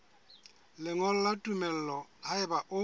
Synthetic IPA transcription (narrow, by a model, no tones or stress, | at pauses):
lɪŋɔl̩latʼumɛl̩lɔhaɪbaʔʊ